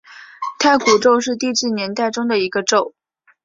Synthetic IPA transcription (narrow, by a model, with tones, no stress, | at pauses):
t̪ʰa˥˩ɪku˨˩ʈ͡ʂo˥˧ʊʂɻ̩˥˧t̪i˥˧t͡ɕ̩˥˩njɛ˧˥nt̪a˥˩ɪʈ͡ʂʊ˥ŋd̪ə˨˩i˧˥ɡə˧ʈ͡ʂo˥˩ʊ